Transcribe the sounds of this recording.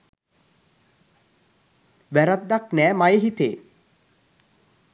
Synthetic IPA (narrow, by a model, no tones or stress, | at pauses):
ʋæɾat̪̚ːaknæːmajeɦit̪eː